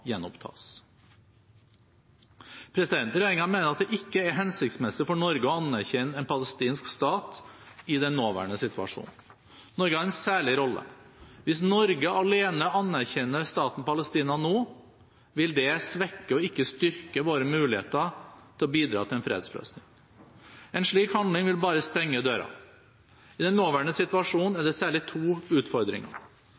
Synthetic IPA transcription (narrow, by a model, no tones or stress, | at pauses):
jɛnːʊpt̪ʰɑ̰ːs | pʰɾɛsɪd̪ɛnt̪ɾɛjeːɾɪŋɑmeːnəɾɑt̪̚d̪ɛʔɪkːəæɾɦɛnsɪk̚t̪smɛsɪfɔɳɔɾɡəɔɑnːæɾçɛnɛnpʰɑləst̪iːnskst̪ɑːt̪ɪd̪ɛnːoːʋæ̰ːɳəsɪt̪ʉɑ̰ʂṵːnnː | ɔɾɡəhɑɾɛnsæːɭɪɾɔlːə̰ | ʋɪs̬nɔɾɡəɑleːnəɑnæɾçɛnːəst̪ɑːt̪n̩pɑləst̪iːnɑnoː | ʋɪld̪ɛsʋɛkːəɔɪkːəst̪ʏɾkəʋoːɾəmʉːlɪhḛːt̪ət̪ʰɪlɔbiːd̪ɾɑ̰t̪ɪlɛnfɾḛːd̪slø̰ːsnɪŋ | ɛnʂɭiːkhɑnd̪lɪŋʋɪlbɑːɾəst̪ɛŋːəd̪øːɾɑ̰ | ɪd̪ɛnːoːʋæɳəsɪt̪ʉʋɑʂuːnnæɖɛsæːɭɪt̪ʰuːʉːt̪fɔɾd̪ɾɪ̰ŋɑ̰